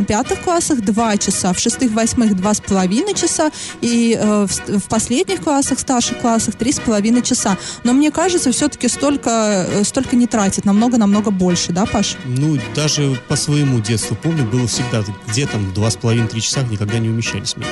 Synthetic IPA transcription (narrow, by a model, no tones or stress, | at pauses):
pʲat̪ɨxklˠasəxd̪vat͡ɕɪsafʂɨst̪ɨxvɐsʲmɨxd̪vaspəlˠɐvʲinəjt͡ɕɪsaiəfsfpɐsʲlʲedʲnʲɪxklˠasːəxst̪arʂɨxklˠasːəxt̪ɾʲispəlˠɐvʲinəjt͡ɕɪsano̞mnʲe̞kaʐɨt̪səfsʲot̪ə̥kʲɪst̪o̞lʲkəst̪o̞lʲkənʲɪt̪ɾatʲɪt̪nɐmno̞ɡənɐmno̞ɡəbo̞lʲʂɨd̪apaʂnud̪aʐɨpəsvəjɪmudʲe̞t̪st̪vʊpo̞mnʲʊbɨlˠəfsʲɪɡ̚d̪aɡdʲet̪amvd̪vaspəlˠɐvʲint̪ɾʲit͡ɕɪ̥saxnʲɪkɐɡ̚d̪anʲɪʊmʲɪɕːæ̰lʲɪsʲmʲnʲḛ